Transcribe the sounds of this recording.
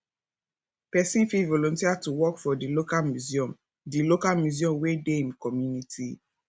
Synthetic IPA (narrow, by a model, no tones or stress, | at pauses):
pɛsĩnfilvɔlɔ̃ntiatuwɔkfɔdilokalmjuziɔ̃m | dilokalmjuziɔ̃mwedeĩmkɔmjunitʰi